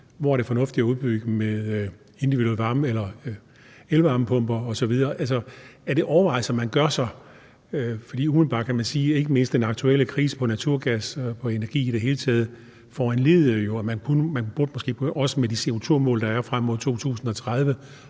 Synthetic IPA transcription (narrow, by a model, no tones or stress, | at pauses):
ʋɒæɐɾ̥e̝fɒ̽nɔ̽fd̥iæuðˠb̥yɡ̥əmeðˠ | e̝nd̥iʋid̥ɾuelʋɑ̈ːməelɐ | elʋɑ̈ːməpʰɔ̽m̰b̥ɐɒ̽sɒ̽ʋið̞ˠɐːʔæls̬ɒ̽æɐɾ̥e̝ʔɒʊɐʋɑ̈ɪsɒmænɡ̥ɶɐsɑ̈ɪ | øfɒ̽d̥ḭːum̩ˠb̥ɑ̈ːd̥kʰæmænsiːe̝ɡ̥əme̝nsd̥enɑ̈ɡ̥̚t͡sʰuel̰əkʰʁiːsə̥pʰɒ̽næt͡sʰuɐ̰ɡ̥æspʰɒ̽e̝næɐɡ̥ḭːiɾ̥e̝ɦe̝ːlət͡sʰɛːð̞̩ˠ | fɒːænle̝ðˠəjo̝æmænkʰunəmænb̥uɐd̥əmɒsɡ̥e̝̰ːpʰʔɒ̽səmed̥ise̝o̝t͡sʰuɐmɔ̰̽ːld̥ɑ̈æɐfʁam̰ːɔðˠt͡sʰo̝̰ːt͡sʰṵːsn̩ɒ̽t͡sʰʁað̞ˠʋə